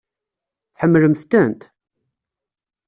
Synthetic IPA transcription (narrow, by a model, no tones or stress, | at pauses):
θħəmːləmθt̪ənt̪